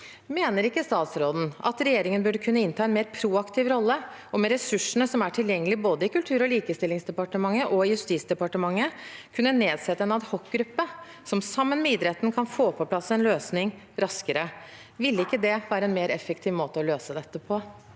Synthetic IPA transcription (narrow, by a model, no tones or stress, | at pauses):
meːnəɾɪkːəst̪ɑːt̪sɾoːd̪n̩ʔɑ̰t̪ɾɛjeːɾɪŋənbʉɖəkʰʉnːəɪnt̪ʰɑːɛnmeːɾpʰɾuːɑkt̪ʰɪʋɾɔlːə | ɔmɛɾɛsʉʂəɳəsɔmæʈʰɪljɛŋːəlɪboːd̪əɪkʉlt̪ʰʉːɾɔliːkəst̪ɪlːɪŋsd̪ɛpɑʈəmɑŋːəʔɔɪjʉst̪iːt̪sd̪ɛpɑʈəmɑŋːəkʰʉnːəneːd̪sɛt̪ːəɛnɑd̪hɔkɡɾʉpːə | sɔmsɑmːənmɛɪːd̪ɾɛt̪ːnkʰɑnfoːpʰɔpʰlɑsːɛnløːsnɪŋ | ɾɑskəɾə | ʋɪlːəɪkːəd̪ɛʋæːɾəɛnmeːɾɛfːəkt̪ʰɪːʋmoːt̪əɔløːsəd̪ɛt̪ːəpʰɔ